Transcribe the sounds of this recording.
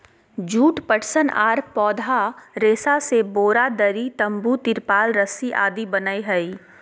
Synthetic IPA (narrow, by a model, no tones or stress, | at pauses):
d͡ʒuːʈpəʈsənaːɾpɔːd̪ʱaɾeːsaseboːɾad̪ɐɾit̪ɐ̃mbut̪ɪɾpaːlɾəsiʔa̰ːd̪ibɐnəiɦɐi